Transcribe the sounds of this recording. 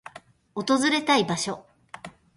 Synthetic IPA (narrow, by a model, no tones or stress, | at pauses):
ot̪o̞zɨɾe̞t̪aibaɕo̞